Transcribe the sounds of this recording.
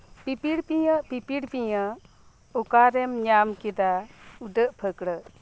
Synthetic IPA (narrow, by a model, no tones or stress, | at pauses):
pipiɽpiɲəʔpipiɽpiɲə | ukaɾɛmɲamkid̪audəʔpʰəkɽə